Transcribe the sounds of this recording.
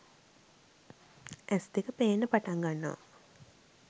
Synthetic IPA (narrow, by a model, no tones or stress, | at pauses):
ʔɛsd̪ikəpeːnːəpaʈaŋɡanːo̰a̰